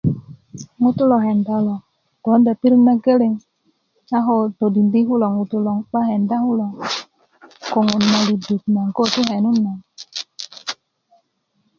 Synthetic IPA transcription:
ŋu˦t̪u˦lo˨ɦɛ˨nda˦lo˨ | ɡ̥o˨˦nda˨pi˦ɾu˦nːa˦ɡe˦le˨ŋ | a˦ɦo˦to˨di˨ndi˦ɦu˦lɔ˨ŋu˨t̪u˦lɔ˨ŋɓa˦ɦɛ˨nda˦hu˦lɔ˨ | ko˨ŋu˨nma˨li˨du˨t̚na˨ŋko˦t̪u˦ɦɛ˨nu˦nːa˨ŋ

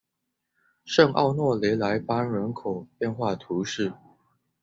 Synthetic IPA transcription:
ʂə˥˧ŋʔɑ̰˥˧ʊnwɔ˥˨le˧˥ɪla˧˦˥ɪpa˥nɻə˧˥nkʰo˨˩ʊpjɛ˥˧˨nxwa˥˨t̪ʰu˨˦ʂɻ̩˥˩

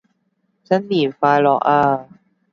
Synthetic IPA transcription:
t͡sɐ˥nliː˨˩faː˧jlɔː˨˩k̚aː˧

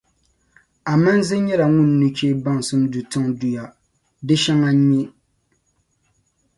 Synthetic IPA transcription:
a˨ma˦n˦zɨ˦ɲɛ˦la˨ŋʊ˦nːɨ˦t͡ʃeː˦ba˦˨ŋ˨sɨ˦mdu˨tɨ˦ŋdu˨ja˨ | dɨ˦ʃɛ˦ŋa˦ɲɛ˦

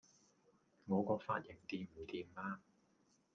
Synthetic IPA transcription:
ŋɔː˨˧kɔː˧kfa̰ː˧t̚jɪ˨˩ŋt̪iː˨˧m̩ː˨˩t̪iː˨˩mːaː˧

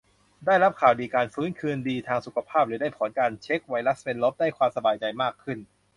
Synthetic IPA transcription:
daː˥˩jɾa˦˥p̚kʰaː˨˩wdiː˧kaː˧nfɯː˦˥nkʰɯː˧ndiː˧t̪ʰaː˧ŋsu˨˩kʰa˧pʰaː˥˩p̚ɾɯː˩˦daː˥˩jpʰɔː˩˦nkaː˧nt͡ɕʰe˦˥k̚wa˧˥jla˦˥spe˧nlo˦˥p̚daː˥˩jkʰwaː˧msa˧baː˧jt͡ɕa˧jmaː˥˩kʰːɯ˥˩n

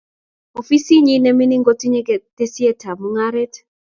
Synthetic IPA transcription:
o˨fi˦si˦ɲi˦nɛ˦mi˦ni˦ŋɡo˦ti˦ɲe˦ɡe˨te˦si˦e˦tʰa˨mu˦ŋa˦ɾɛ˦t

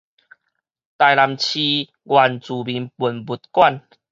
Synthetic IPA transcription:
t̪a˨jla˨mt͡ɕʰi˧ | ɡwa˨˩nt͡su˨˩bi˨˦npu˨˩nbu˨˦t̪̚kwa˥˨n

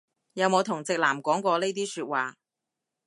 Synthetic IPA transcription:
jɐ˨˧wmo˨˧wt̪ʰʊ˨˩ŋt͡sɪ˨k̚laː˨˩mkɔː˨˥ŋkʷɔː˧le˥jt̪iː˥syː˧t̚waː˨

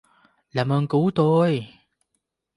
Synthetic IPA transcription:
laː˨˩mʔəː˧nku˨˦t̪o˧j

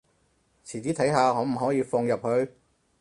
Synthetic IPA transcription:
t͡sʰiː˨˩t͡siː˨˥t̪ʰɐ˨˥jɦaː˧ŋɔː˨˧m̩˨˩ɦɔː˨˥jiː˨˧fɔː˧ŋjɐ˨p̚hɵ˧ɥ

